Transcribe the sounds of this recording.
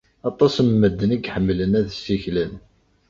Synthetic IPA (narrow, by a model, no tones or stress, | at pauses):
ɑt̪ˤɑsəmːəd̪ːəniɡħəmːlənæðsːiçlən